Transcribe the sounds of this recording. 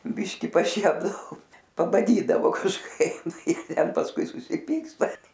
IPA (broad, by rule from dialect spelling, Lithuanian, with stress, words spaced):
ˈbʲɪʃʲkʲɪ pɐˈʃʲiɛbdɐʋoː pɐbɐˈdʲiːdɐʋoː kɐʃˈkɐɪ ˈtʲɛn pɐsˈkʊɪ sʊsʲɪˈpʲiːkstɐ